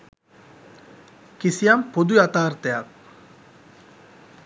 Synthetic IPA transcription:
kisiampod̪uat̪aːɾt̪eak

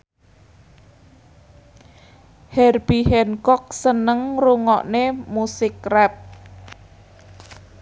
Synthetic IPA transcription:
hɛrbiɦɛnkɔk̚sənəŋruŋɔ̰ʔnemusɪkrɛp̚

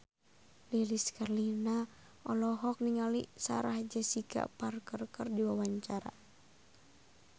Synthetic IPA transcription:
liliskarlina | ʔɔlɔɦɔk̚niŋalḭsa̰ɾahd͡ʒəsika̰parkərkərdiwawaɲt͡ʃaɾa̰

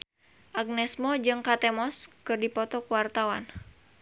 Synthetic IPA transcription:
ʔaɡ̚nɛsmɔd͡ʒɨŋkat̪ɛmɔskɨrdipɔt̪ɔkuwart̪awa̰n

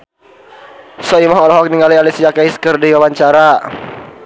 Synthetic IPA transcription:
sɔimɔɦɔlɔɦɔk̚niŋalialisiakaiskərdiwawaɲt͡ʃaɾa

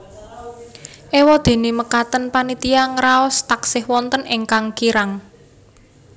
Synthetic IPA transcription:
ʔewɔd̪̥e̤neməkat̪ənpanit̪iaŋɾaɔst̪aksɪhwɔnt̪ənɪŋkaŋkiɾaŋ

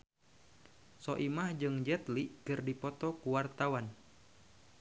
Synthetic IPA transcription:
sɔʔimahd͡ʒɨŋd͡ʒɛt̪likɨrdipɔt̪ɔkuwart̪awan

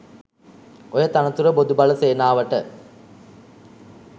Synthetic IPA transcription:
ojət̪anɐt̪uɾəbod̪ubɐləseːnaːʋəʈə

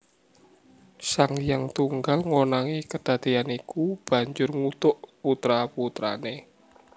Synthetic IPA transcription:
saŋjaŋt̪uŋɡalŋwonaŋikəd̪̥ä̤d̪̥ianikub̥ä̤ɲd͡ʒʊrŋut̪ʊʔput̪ɾaput̪ɾa̰ne

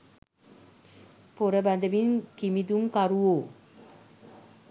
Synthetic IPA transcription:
poɾəbæd̪əʋinkimid̪uŋkaɾuoː

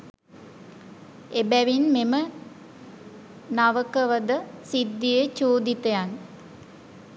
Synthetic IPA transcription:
ebæʋinmemə | naʋəkəʋəd̪əsid̪ːijet͡ʃuːd̪it̪ejan

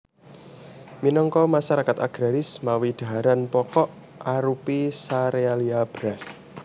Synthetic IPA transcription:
minɔŋkɔmasaɾakat̪aɡ̥ɾaɾɪsmawid̪̥a̤ɦaɾanpɔkɔʔ | aɾupisaɾealiab̥ɾas

